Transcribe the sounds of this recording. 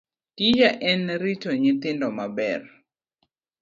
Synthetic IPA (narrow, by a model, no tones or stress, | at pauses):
tijaʔɛnɾitɔɲɪt̪ɪndɔmabɛ̰r